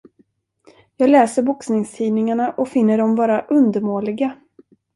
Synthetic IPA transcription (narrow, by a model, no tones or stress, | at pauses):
jɑːɡlɛːsəɾbʊksnɪŋst̪ʰiːnɪŋaɳaʔɔkfɪnːəɖɔmvɑːɾaʔɵnd̪əɾmoːlɪɡa